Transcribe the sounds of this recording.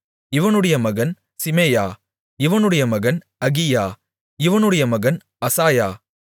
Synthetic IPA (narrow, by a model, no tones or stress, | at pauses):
ɪʋɐnɯɽɐjɐmɐɣɐn | sɪmeːjaː | ɪʋɐnɯɽɐjɐmɐɣɐn | ɐɣɪjaː | ɪʋɐnɯɽɐjɐmɐɣɐn | ɐsaːjaː